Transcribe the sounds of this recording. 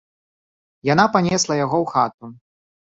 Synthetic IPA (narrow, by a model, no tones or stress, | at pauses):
janapanʲɛslˠɐjaɣɔwxat̪̚u